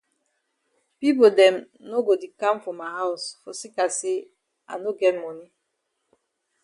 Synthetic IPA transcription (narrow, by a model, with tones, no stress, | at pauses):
pi˦po˨dɛ̃˨m | no˦ɡo˨di˨kã˦mfɔ̃˨mːa˨ɦa˦ʊsfɔ˨si˦ka˨se˦ | a̰˨no˦ɡɛ˦t̚mɔ˦ni˦